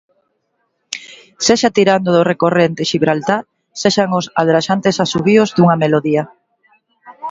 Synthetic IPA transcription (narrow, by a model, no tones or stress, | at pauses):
seʃat̪iɾand̪oðorekorent̪eʃiβɾalt̪aɾ | seʃaŋʊsalðɾaʃant̪esasuβiozðuŋɐmeloðia